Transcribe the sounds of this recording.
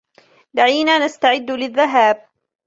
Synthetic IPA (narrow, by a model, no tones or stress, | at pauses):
d̪aʕiːnaːnast̪aʕɪd̪ːlɪðːaɦaːb̚